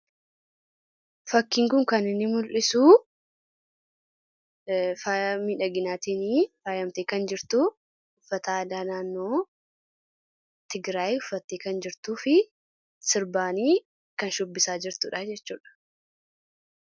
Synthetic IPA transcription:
fɐkːiːŋkʊŋkɐnɪnːɪmʊlʔɪsuː | faːmiːᶑɐɡɪnaːt̪iːniːfaːjɐmt̪eːkɐnd͡ʒɪɾt̪u | ʊfːɐt̪aɐd̪aːnaːnːo̞ː | t̪ɪɡɾaːjʊfːɐt̪ːeːkɐnd͡ʒɪɾt̪uːfɪ | sɪɾbaːniː | kɐnʃʊbːɪsaːd͡ʒɪɾt̪uːᶑɐd͡ʒɛt͡ʃːuːᶑɐ̥

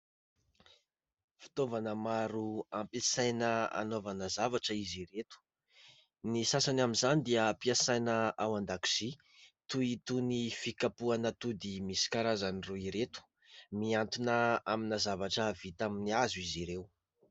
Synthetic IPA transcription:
fi̥t̪ovanəmaɾuampesajnəa̰novanəzavaʈ͡ʂəiziɾet̪u̥ | nisasanaminzanid̪iəpiasajnəawand̪aki̥z̥i | t̪uit̪unifikapuanət̪ud̪imisi̥kaɾazaniruiɾet̪u̥ | miant̪unəaminazavaʈ͡ʂəvit̪aminiazuiziɾew

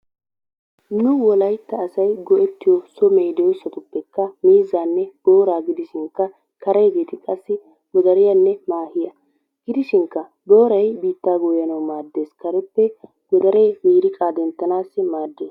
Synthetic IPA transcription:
nʊwɔlɐjt̪ːɐːsɐjɡɔʔɛt̪ːɪjɔsɔmejd̪ɛjɔsːɐt̪ʊpːɛkːɐmiːzːaːnːɛb̥o̞ːɾaːɡɪd̪ɪʃɪŋkːɐ | kɐɾɐjɡeːt̪ɪkʼɐsːɪ | ɡɔd̪ɐɾɪjɐnːɛmaːhɪjɐ | ɡ̥ɪd̪ɪʃɪŋkːɐ | boːɾɐjbiːt̪ːaːɡojɐnɐwmaːd̪ːe̞ːskɐɾɛpːɛ | ɡɔd̪ɐɾejmiːɾɪkʼaːd̪ɛnt̪ːɐnaːsːɪmaːd̪ːe̞ːs

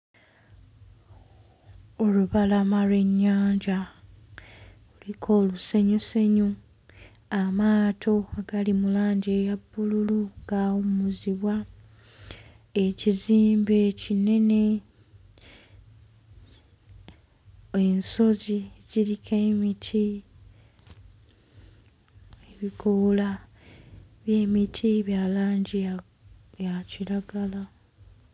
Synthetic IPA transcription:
o̞luβalamalwe̞ɲːaːɲɟa | ulikʰo̞ːluse̞ɲuse̞ɲu | amaːtʰo̞aɡ̥alimulaːɲɟeːjabːululuŋɡaːwumuziβwa | eciziːmbecine̞ne̞ | enso̞ziziɾikʰemitʰi | eβikola | βje̞ːmitʰiβjalaːɲɟi | jaciɾaɡala

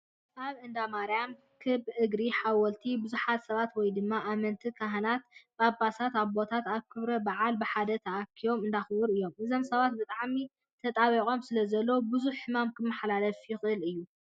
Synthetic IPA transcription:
ʔaβʔɨnd̪amaɾjam | kʰɨbʔɨɡɾiħawɔlt̪ʰibɨzuħat̪sɐβat̪wɔjd̪ɨmːaʔːmɐnt̪ʰikʰaɦɐnat̪̚bɨabasat̪aβbo̞t̪ʰat̪aβkʰɨβɾɐbaʕalbɨħad̪ɐt̪ʰɐʔakʰio̞mɨnd̪axɨbɨɾɨjːo̞mʔɨzo̞msɐβat̪bɨt̪ʼaʕmi | t̪ʰɐt̪ʼaβiqʼo̞msɨlɐzɐlːobɨzuħːɨmamkʰɨmːɐħlalɐfjɪxʔɨlɨjːu

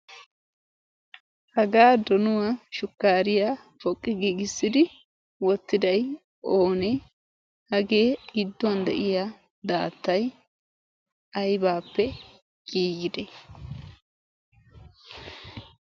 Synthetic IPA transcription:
hɐɡaːd̪ɔnʊwaʃʊkːaːɾɪjaː | fɔkʼːɪɡiːɡɪsːɪd̪ɪ | wɔt̪ːɪd̪ɐj | ʔoːnɛ | hɐɡeːɪd̪ːʊwɐnd̪ɛ̰ʔɪjaː | d̪aːt̪ːɐj | ɐjbaːpːɛ | ɡʼiːɡɪd̪ɛ

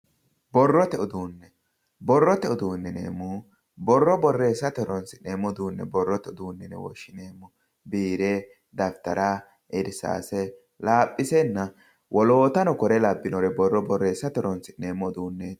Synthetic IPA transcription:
bɔrːɔt̪ɛɔd̪uːnːɛ | bɔrːɔt̪ɛɔd̪uːnːɛnḛːmːu | bɔrːɔbɔrːeːsːɐt̪ɛɾɔnsɪneːmːɔd̪uːnːɛ̰bɔrːɔt̪ɛɔd̪uːnːɛnɛ̰wɔ̰ʃːɪneːmːʊ | biːɾeː | d̪ɐft̪ɐɾa | ʔɪɾɪsa̰ːsɛ | laːpʼːɪsɛnːɐ | wʔɔlo̞ːt̪ɐnɔkɔɾɛlɐbːɪnɔɾɛbɔrːɔbɔrːeːsːɐt̪ɛɾɔnsɪneːmːɔd̪uːnːɛ

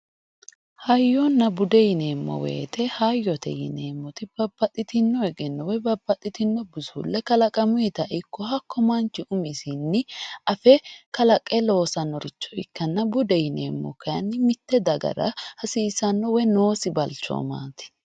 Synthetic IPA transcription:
hɐjːɔnːɐbʊd̪ɛjɪneːmːɔ̰wḛːt̪ʰɛhajːɔt̪ɛ̰jɪ̰neːmːɔt̪ɪb̥ɐbːɐt̪ʼːɪt̪ɪnːɔɛɡɛnːɔwɛbɐbːɐt̪ʼɪt̪ɪnːɔbʊzʊ̰lːɛkɐlɐkʼɐmʊjɛt̪ɐʔɪkːɔhɐkːɔmant͡ʃːɪʔʊmɪsɪnːɪʔɐfɛkɐlɐkʼːɛlo̞ːsɐnːɔɾɪt͡ʃːɔ̥ɪ̰kːɐnːɐbʊd̪ɛjɪnḛːmːɔ̰kɐjɐnːɪmɪt̪ːɛd̪ɐɡɐ̰ɾɐ̰hɐsiːsɐnːɔwɛnoːsɪbɐlt͡ʃɔ̰ːma̰ːt̪ɪ̥

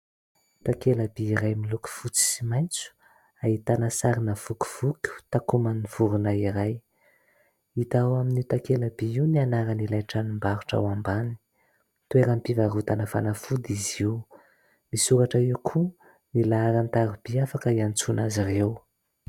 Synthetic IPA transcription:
t̪akelabiiɾajmiluku̥fut͡si̥simajnt͡su̥ | ait̪anasaɾinəv̥ukʲu̥v̥ukʲu̥t̪akumaniv̥uɾunaiɾaj | it̪awaminit̪akelabiiwnianaɾənilajʈ͡ʂanumbaɾuʈ͡ʂa̰wambani̥ | t̪ueɾəmpivaɾut̪anəfanafud̪iziu | misuɾaʈ͡ʂaewkʰu | nilaːɾant̪aɾub̥iafakəiant͡sunazirew

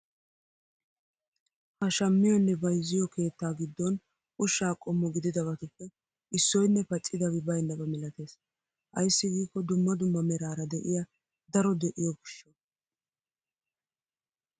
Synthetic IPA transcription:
hɐʃɐmːɪjɔnːɛbɐjzːɪjɔke̞ːt̪ːaːɡɪd̪ːɔn | ʔʊʃːaːkʼɔmːɔɡɪd̪ɪd̪ɐbɐt̪ʊpːɛ | ɪsːɔjnːɛpɐt͡ʃʼːɪd̪ɐbɪbɐjnːɐbɐmɪlɐt̪e̞ːs | ʔɐ̰jsːɪɡiːkːɔd̪ʊmːɐd̪ʊmːɐmɛɾaːɾɐd̪ɛʔɪjɐ | d̪ɐɾɔd̪ɛʔɪjɔɡɪʃːɔ

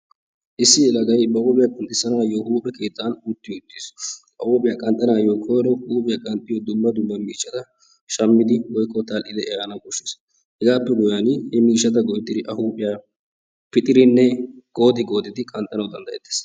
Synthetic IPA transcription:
ʔɪsːɪɛlɐɡɐjbɐwoːpʼɪjakʼɐnt̪ʼːɪsːɐnaːjoːhuːpʼɛke̞ːt̪ːaːnuːt̪ːɪjɔʊt̪ːiːsʔɐ̰woːpʼɪjaːkʼɐnt̪ʼːɐnaːjoːkʰɔjɾɔhuːpʼɪjakʼɐnt̪ʼːɪjoːd̪ʊmːɐd̪ʊmːɐmiːʃːɐt̪ɐ | ʃɐmːɪd̪ɪwɔjkːɔt̪ɐlʔɪd̪ɛɛɾanɐkɔʃːeːs | hɛɡaːpːɛɡʊjanhɛmiːʃːɐt̪̬ɐɡɔjt̪ʼːɪɾɪʔɐhuːpʼɪjaː | pɪt̪ʼɪɾɪnːɛɡ̥o̞ːd̪ɪɡo̞ːd̪ɪd̪ɪkʼɐnt̪ʼɐnɐwd̪ɐnd̪ɐjɛt̪ːe̥ːs

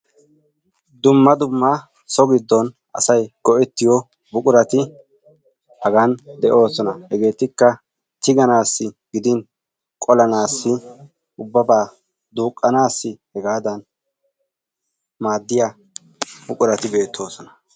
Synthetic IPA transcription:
d̪ʊmːɐd̪ʊmːɐ | sɔɡɪd̪ːɔn | ʔɐ̰sɐjɡ̥ɔʔɛt̪ːɪjɔ | bʊkʼʊɾɐt̪ɪ | hɐɡɐnd̪ɛʔo̞ːsɔnɐhɛɡe̞ːt̪ːɪkːɐ | t̪ɪɡɐnaːsːɪɡɪd̪ɪn | kʼɔlɐnaːsːɪ | ʔʊbːɐbaː | d̪uːkʼːɐnaːsːɪhɛɡaːd̪ɐn | maːd̪ːɪja | bʊkʼʊɾɐt̪ɪbe̞ːt̪ʰːo̞ːsɔnɐ̥

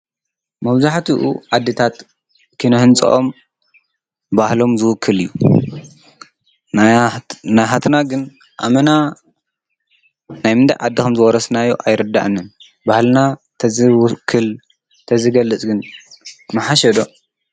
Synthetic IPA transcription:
mɐβzaħt̪ʰiʔṵʕad̪ːɨt̪ʰat̪ | kʰɨnɐhɨnt͡sʼɐ̰ʔo̰m | bahlo̞mzɨwʊkʰːɨlɨjːu | najɦat̪ʰnaɡɨn | ʔa̰mɐna | najmɨnd̪ʰa̰jʕad̪ːixɐmzɨwɔɾɐsnajːoʔajɾɨd̪ːa̰ʔɨnːɨn | bahlɨna | kʰːɨl | t̪ʰɐzɨɡɐlːɨt͡sʼɡɨn | mɨħaʃɐd̪o̞

